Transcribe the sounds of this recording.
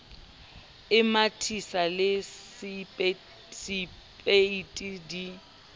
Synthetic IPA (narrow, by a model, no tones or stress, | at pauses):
ɪmatʰisalɪsʼ | sɪ | pʼeitʼidi